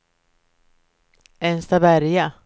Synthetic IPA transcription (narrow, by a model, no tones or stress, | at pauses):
ɛnst̪avæɾja